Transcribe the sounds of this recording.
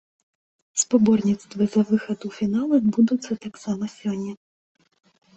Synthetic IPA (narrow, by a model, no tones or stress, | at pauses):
spabɔrnʲit̪st̪vɨzɐvɨxɐd̪ufʲinalˠɨbud̪ut̪sːɐt̪aksamɐsʲɔnʲːɛ